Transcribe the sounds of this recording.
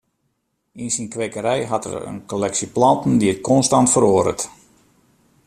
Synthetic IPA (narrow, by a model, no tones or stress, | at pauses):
insinkʋeːkəɾɛjɦatə̰rə̰nkolɛksiplɑntn̩diət̚kɔnstantfəɾoədə̰t